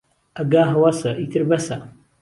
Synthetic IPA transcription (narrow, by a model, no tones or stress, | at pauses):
ɐɡaːɦɐwasɐʔit̪ʰɨɾbɐsɐ